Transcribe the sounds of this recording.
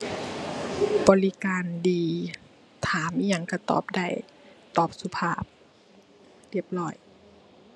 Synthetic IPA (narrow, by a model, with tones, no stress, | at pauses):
bɔː˧˦li˧kaː˨˧ndiː˨˧ | t̪ʰaː˨˦mʔi˧ja˧˩ŋka˧˩t̪ɔ̰ː˨˩p̚da˧˩j | t̪ɔː˨˩p̚su˧pʰaː˧˩p̚ | li˧˩əp̚lɔː˧˩j